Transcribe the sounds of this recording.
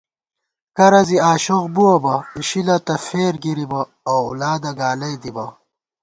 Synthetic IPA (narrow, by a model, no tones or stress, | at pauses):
kɐɾɐziaːɕoɣbuɐbɐiɕilɐt̪ɐfeːɾɡiɾibɐ | ɐwṵlaːd̪ɐɡaːlɐjd̪ibɐ